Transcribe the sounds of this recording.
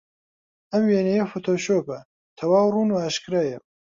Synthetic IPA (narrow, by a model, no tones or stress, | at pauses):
ɐmweːnejɐfoːt̪ʰoːʃoːpɐ | t̪ʰɐwaːwruːnuaːʃkɾaːjɐm